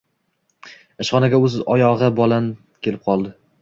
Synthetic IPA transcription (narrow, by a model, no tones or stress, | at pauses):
ɪʃχɒnaɡʲaɵzɒjɒʁɨbɒlan | kʲʰe̞lɪp̚qʰɒlˠd̪ɪ